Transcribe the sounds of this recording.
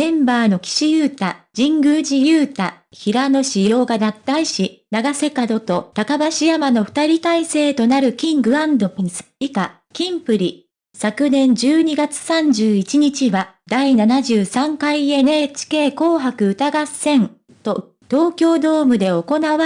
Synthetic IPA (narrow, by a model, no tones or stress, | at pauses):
ẽ̞mbaːno̞kʲi̥ɕijɯːt̪ad͡ʑĩŋɡɯ̟ʑijɯːt̪a | çiɾano̞ɕijo̞ːɡad̪at̪ːaiɕinaɡase̞kad̪o̞t̪o̞t̪akabaɕijamano̞ɸɯ̟̥t̪aɾʲit̪aise̞ːt̪o̞naɾɯ̟kʲĩŋɡɯ̟ãnd̪opsika | kʲĩmpɯ̟ɾʲi | sakɯ̟nẽ̞ɲ̟d͡ʑɨːɲ̟iɡat͡sɨ̥sãɲ̟d͡ʑɨːit͡ɕiɲ̟it͡ɕiβa | d̪ainanaʑɨːsãŋkaienet͡ɕi̥ke̞ːko̞ːɦakɯ̟ɯ̟t̪aɡasẽ̞n | t̪o̞ | t̪o̞ːkʲo̞ːd̪o̞ːmɯ̟d̪e̞o̞ko̞naβa